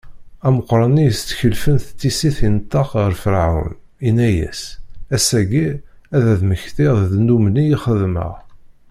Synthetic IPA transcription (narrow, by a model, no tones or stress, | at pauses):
æməqːɾˤɑnijəst͡s̪ːçəlfənθət̪ːisiθint̪ːɑqʁəɾfəlʕʊ̰l | inːæjæ̰sæsæɡiæðæðməçθiððnumnijiχəðmə̰ʁ